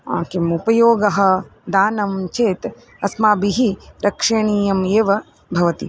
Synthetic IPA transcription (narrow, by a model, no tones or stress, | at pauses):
aːkimupɐjoːɡɐɦɐ̆d̪aːnɐmt͡ʃeːt̪ | ɐsmaːbiɦiɾʔɐkʂɐːɳiːjɐmeːʋɐ | bʱɐʋɐt̪ḭ